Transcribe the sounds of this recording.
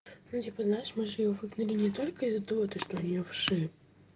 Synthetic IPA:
nut̪ʲipəznajɪʂmɨʐɨjjovɨɡnʊlʲɪnʲɪt̪olʲkəɪzɐt̪ɨvot̪ɨʂt̪oɐnʲɪjofʂɨ

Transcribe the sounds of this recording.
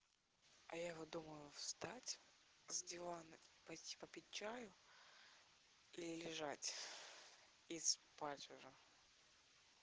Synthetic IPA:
ɐ̰jajɪvod̪uməjʊfst̪atʲzdʲɪvanipɐjtʲi̥pəpʲɪt̚ʲt͡ɕːajʊ | ilʲɪlʲɪʐatʲ | ispatʲʊʐə

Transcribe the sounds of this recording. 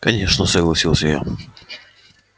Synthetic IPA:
kɐnʲe̞ʂnəsəɡlˠɐsʲilˠsʲjɪjo̰

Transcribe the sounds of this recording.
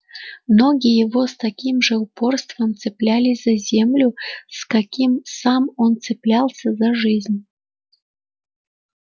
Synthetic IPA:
mnoɡʲɪjjɪvost̪ɐkʲimʐɨʊporst̪vəmt̪sɨplʲælʲɪz̥ɐzʲemlʲʊskakʲimsamont̪sɨplʲalˠsʲəzaʐɨzʲnʲ

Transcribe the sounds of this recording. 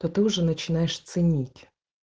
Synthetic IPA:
t̪ɔt̪ɪʊʒɛnɐt͡ʃɪnɑjeʃt̪sɪnʲitʲ

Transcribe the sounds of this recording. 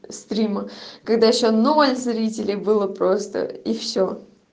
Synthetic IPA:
st̪ɾʲiməkɐɡd̪ajɪɕːo̞no̞lʲzɾʲitʲɪlʲɪjbɨlˠəpɾost̪ə̰ifsʲo

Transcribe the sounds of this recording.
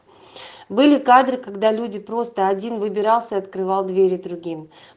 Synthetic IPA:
bɨlʲɪkad̪ɾɨkɐɡd̪alʲudʲɪpɾo̞st̪əɐdʲinvɨbʲɪɾɑlˠsʲəɐt̪kɾɨvɑlˠd̪vʲeɾʲɪd̪ɾʊɡʲim

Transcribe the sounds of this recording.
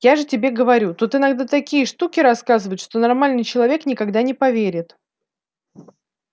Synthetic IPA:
jaʐɨtʲɪbʲe̞ɡəvɐɾʲut̪ot̪ɨnɐɡd̪at̪ɐkʲijəʂt̪ukʲɪɾɐskazɨvəjʊt̪ʂt̪o̞nɐrmalʲnɨjt͡ɕɪlˠɐvʲe̞knʲɪkɐɡd̪anʲɪpɐvʲeɾʲɪt̪

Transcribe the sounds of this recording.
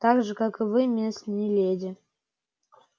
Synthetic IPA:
t̪aɡʐɨkakɨvɨmʲesnʲilʲedʲɪ

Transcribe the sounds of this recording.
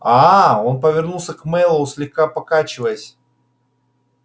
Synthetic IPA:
ao̞npəvʲɪrnulˠsʲəkmɛlˠʊslʲɪxkapɐkat͡ɕɪvəjəsʲ

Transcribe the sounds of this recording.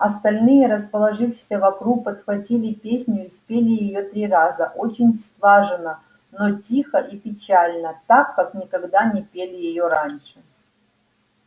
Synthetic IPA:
ɐst̪ɐlʲnɨjəɾəspəlˠɐʐɨfʂsʲəvɐkɾuk̚pət̪xvɐtʲilʲɪpʲesʲnʲjʊispʲelʲɪjɪjot̪ɾʲirazəʔot͡ɕɪnʲst̪vaʐɨnə | notʲixəʔipʲɪt͡ɕalʲnət̪akːaknʲɪkɐɡd̪anʲɪpʲelʲɪjɪjoɾanʲʂɨ

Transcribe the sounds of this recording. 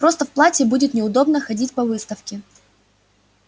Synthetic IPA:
pɾo̞st̪əfplˠatʲɪbudʲɪt̪nʲɪʊd̪o̞bnəxɐdʲitʲpɐvɨst̪əfkʲɪ

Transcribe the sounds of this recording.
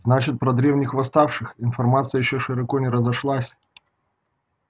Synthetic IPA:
znat͡ɕɪt̪̚pɾɐd̪ɾʲe̞vnʲɪxvɐst̪afʂɨxɪnfɐrmat̪sɨjəjɪɕːoʂɨɾɐkonʲɪɾəzɐʂlˠasʲ

